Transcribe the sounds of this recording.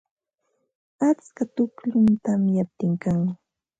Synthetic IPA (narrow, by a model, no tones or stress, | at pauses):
at͡skat̪ʊkʎʊnt̪amjap̚t̪ɪŋkaŋ